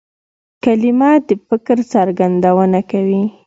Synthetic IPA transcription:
kalimɑd̪əfɪkɾt͡saɾɡand̪awənakawi

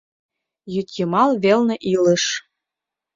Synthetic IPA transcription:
jyt̪ʲjɤ̆mɑlˠβelnĕʔilə̆ʃ

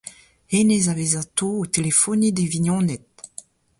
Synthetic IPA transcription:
henezavezat̪oot̪elefɔnid̪eviɲɔ̃nɛt̪̚

